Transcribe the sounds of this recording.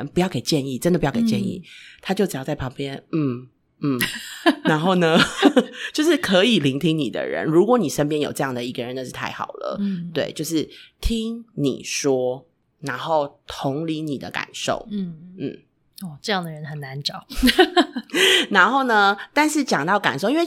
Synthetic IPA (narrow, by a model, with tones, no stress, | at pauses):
npu˧˥jɑ˥˩ʊke˨˩ɪt͡ɕjɛ˥˧ni˥˩ʈ͡ʂə˦ndə˨pu˧jɑ˥˩ke˩t͡ɕjɛ˥˧nḭ˥˩t̪ʰa˥t͡ɕjo˥˩ʈ͡ʂɻ̩˨˩jɑ˥ʊt͡sa˥˩ɪpʰɑ˧˥ŋpjɛ˦˥nn̩˥˩ | n̩˥˩a˧˥nxo˥˩ʊnə˧ | t͡ɕjo˥˧ʊʂɻ̩˥˩kʰɤ˧˦˥i˨˩li˧˥ŋt̪ʰi˦˥ŋnḭ˨˩d̪ə̰˦ɻə̰˧˦nɻu˧˥kwɔ˧˥˦ni˨˩ʂə˧˥npjɛ˥njo˨˩ʊʈ͡ʂɤ˥˧jɑ˥˩ŋd̪ə˩i˧˥ɡə˨ɻə˧˦na˧ʂɻ̩˥˧t̪ʰa˥˩ɪxɑ̰˨˩ʊlə̰˦t̪we˥˩ɪt͡ɕjo˥˧ʊʂɻ̩˥˩t̪ʰi˥ŋnḭ˨˩ʂwɔ˥ | na˧˥nxo˥˩ʊt̪ʰʊ˨˧˥ŋli˧˦ni˨˩d̪ə˦ka̰˨˩nʂo̰˥˩ʊ˥˩n̩˥˩ | ɔ˥˩ʈ͡ʂɤ˥˧jɑ˥˩ŋd̪ə˩ɻə˧˦nxə˨˩na˧˦nʈ͡ʂɑ˨˩˦ʊ | na˧˥nxo˥˩ʊnə˩t̪a˥˧nʂɻ̩˥˩t͡ɕjɑ˨˩ŋt̪ɑ˥˩ʊka̰˨˩nʂo˥˧i˦nw